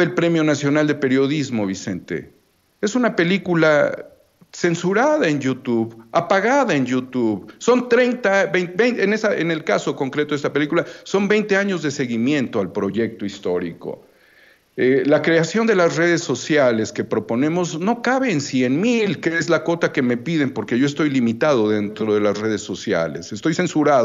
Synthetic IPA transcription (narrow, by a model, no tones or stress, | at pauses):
elpɾe̞mjo̞nasjo̞nald̪epe̞ɾjo̞ðizmo̞βise̞nt̪ḛ | e̞sunape̞likula | se̞nsuɾaðae̞njut̪uβapaɣaðae̞njut̪uβso̞nt̪ɾejnt̪abenbejnenesaenelkaso̞ko̞ŋkɾet̪oest̪apelikulaso̞mbe̞jnt̪e̞aɲo̞zðe̞se̞ɣimjẽ̞nt̪oalpɾo̞ʝe̞k̚t̪oist̪o̞ɾḭko̞̰ | elakɾeasjo̞nd̪e̞lasre̞ðesːo̞sjaleske̞pɾo̞po̞nẽ̞mo̞zno̞kaβe̞ːnsje̞nmilkeezlako̞t̪ake̞me̞piðe̞mpo̞ɾke̞ʝo̞est̪o̞jlimit̪aðo̞ðe̞nt̪ɾoðe̞lasre̞ð̞e̞sːo̞sja̰le̞̰sest̪o̞jse̞nsuɾað